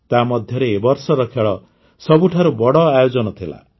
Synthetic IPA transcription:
t̪amɔd̪ʱjɔɾeːbɔɾsɔɾɔkʰeɭɔ | sɔbuʈʰaɾubɔɽɔajod͡ʒɔnɔt̪ʰila̰

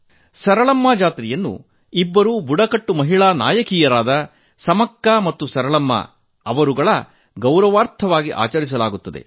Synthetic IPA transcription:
sɐɾɐɭɐmːaːd͡ʒaːt̪ɾijɐnːṵ | ibːɐɾuːbuɽɐkɐʈːumɐɦiɭaːna̰ːjɐkiːjɐɾaːd̪ɐ | sɐmɐkːɐmɐt̪ːusɐɾɐɭɐmːɐ̰ | ɐʋɐɾuɡɐɭɐ | ɡɐwɾɐʋaːɾt̪ʰɐʋaːɡiʔa̰ːt͡ʃɐɾis̬ɐlaːɡut̪ːɐd̪ḛ

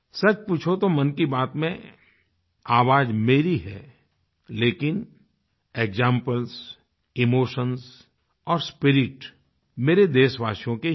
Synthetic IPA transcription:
sɐt͡ʃpuːt͡ʃʰot̪omɐnkibaːt̪mẽ | aːʋaːd͡ʒmeːɾiɦɛ̰ː | leːkɪn | eːɡd͡ʒãːmpəls | ɪmoːʃəns | ɔːɾspɪɾɪʈ | meːɾed̪eːʃʋaːʃijõke

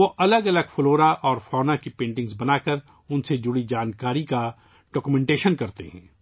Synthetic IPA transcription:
oʔɐləɡɐləɡfloːɾaʔɔːɾfɔːnakipẽːɳʈɪ̃ŋɡzbɐnaːkəɾ | ʊnsed͡ʒʊɽid͡ʒaːnkaːɾika | ɖ̥ɔːkumɛ̃ɳʈeːʃənkɐɾt̪ḛɦɛ̰̃ː

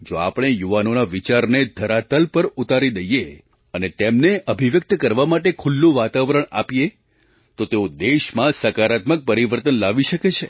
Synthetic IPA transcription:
d͡ʒoa̰pɽ̃ejuʋanonaʋit͡ʃaɾned̪ʱəɾat̪əlpəɾut̪aɾid̪əje | ənet̪emneʔəbʱiʋjək̚t̪əkəɾʋamaʈekʰulːũʋat̪aʋɾəɳ̃a̰pije | t̪ot̪eod̪eʃmãsəkaɾat̪mək̚pəɾiʋəɾt̪ənlaʋiʃəket͡ʃʰe

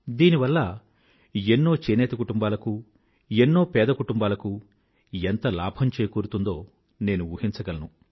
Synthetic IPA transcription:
d̪iːniʋɐlːɐ | enːo̞ːt͡ʃeːnɛːt̪ɐkuʈumbaːlɐku | enːo̞ːpɛːd̪ɐkuʈumbaːlɐku | ent̪ɐla̰ːbʱɐmt͡ʃeːkuːɾut̪und̪o̞ː | ne̞ːnuuːhint͡ʃɐɡɐlɐnu

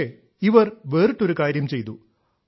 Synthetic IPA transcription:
e | iʋɐrʋeːrɨʈːo̞ɾukaːɾjɐmt͡ɕe̞jt̪u

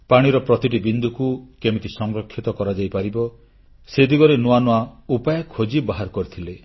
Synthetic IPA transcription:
paɽ̃iɾɔpɾɔt̪iʈibind̪ʱukukemit̪isɔŋɾɔkʰːit̪ɔkɔɾad͡ʒajpaɾibɔ | sed̪iɡɔɾenuanɔaupajɔkʰod͡ʒibaɦaɾkɔɾit̪ʰile

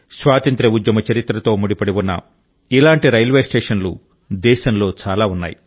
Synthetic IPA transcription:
sʋaːt̪ɐnt̪ɾɐud̪jɐmɐt͡ʃɐɾit̪ɾɐt̪o̞ːmuɽipɐɽiwunːɐ̰ | ilaːɳʈiɾɐjlʋeːsʈeːʂɐnlu | d̪ɛːʃɐmlo̞ːt͡ʃaːlaːunːa̰ːji

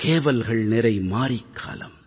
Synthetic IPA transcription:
keːʋɐlɣɐɭnɪɾɐɪmaːɾɪkʰːa̰ːlɐ̰m

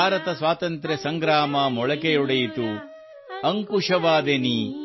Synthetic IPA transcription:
aːɾɐt̪ɐsʋaːt̪ɐnt̪ɾesɐŋɡɾaːmɐmɔɭɐkejuɽɐjit̪u | ɐŋkuʂɐʋaːd̪eni

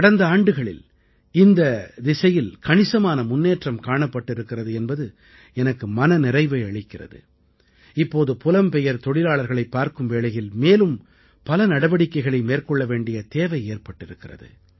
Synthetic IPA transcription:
kɐɽɐnd̪ɐaːɳɖɯɣɐɭɪ̰l | ɪnd̪ɐd̪ɪsɐjɪlkɐɳɪsɐmaːnɐmʊnːeːʈrɐmkaːɳɐpːɐʈːɪɾɯkːɪrɐðɯɛnbɐðɯ | ɛnɐkːɯmɐnɐnɪrɐɪʋɐɪɐɭɪkːɪrɐ̰ðɯ̰ | ɪpːoːðɯpʊlɐmpɛjɐɾt̪ɔɽɪlaːɭɐɾɣɐɭɐɪpːaːɾkɯmʋeːlɐjɪlmeːlɯm | pɐlɐnɐɽɐʋɐɽɪkːɐɪɣɐɭɐɪmeːrkɔɭːɐʋeːɳɖɪjɐt̪eːʋɐɪeːɾpɐʈːɪɾɯkːɪrɐ̰ðɯ̰

